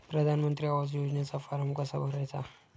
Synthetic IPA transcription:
pɾəd̪ʱanmənt̪ɾiaʋazjod͡ʒnjat͡safaɾəmkɐsabʱəɾajt͡sa̰

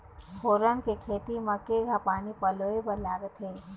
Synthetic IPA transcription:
hoːɾənkekʰeːt̪imɐkeɡʱapaːnipɐloːebəlaːɾet̪ʰɦẽː

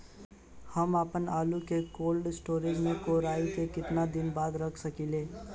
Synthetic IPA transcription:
həmapənaːlukekoːlɖɪsʈoːɾɪd͡ʒmẽkoːɾaːikekɪt̪nad̪ɪnbaːd̪ɾəkʰsəkileː

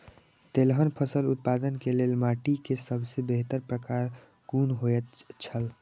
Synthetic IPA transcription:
t̪elɦənpʰəsəlut̪̚pad̪ənkelelmaʈikesəbʱsebeɦt̪əɾpɾəkaɾ | ɡunɦoət̪t͡ʃʰəl

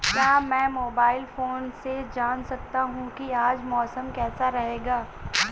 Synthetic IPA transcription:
jɐɦãmɛ̃ːmoːbaːɪlfoːnsed͡ʒaːnsɐk̚t̪aɦũkiaːd͡ʒmɔːsəmkɛːsaɾɐɦeːɡaː

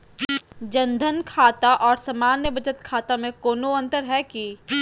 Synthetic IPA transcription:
d͡ʒə̃nd̪ʱənkʰaːt̪aʔɔːɾsɐmaːnjəbɐd͡ʒət̪kʰaːt̪amẽkoːnoɐ̃nt̪əɾɦɛki

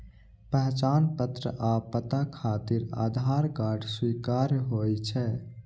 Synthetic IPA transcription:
pɛɦt͡ʃaːnpət̪ɾə̰ʔaːpːət̪akʰaːt̪ɪɾa̰ːd̪ʱaːɾkaːɖʰswiːkaːɾɦoːjt͡ʃʰɛ

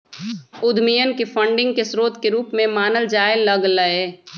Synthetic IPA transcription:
ʊd̪ʱmijənkefʰə̃ɳɖɪ̃ŋɡkesɾoːt̪keɾuːpmẽmaːnəld͡ʒaːɪlːəɡləeː

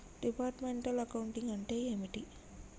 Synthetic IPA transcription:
ɖ̥ipaːʈmeɳʈɐlɐkɐwuɳʈiŋɐɳʈejemiʈi

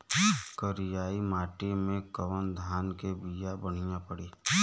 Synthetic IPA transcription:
kəɾɪjaːimaːʈemẽkəwənd̪ʱaːnkebijabəɽ̤ɪjãpəɽiː

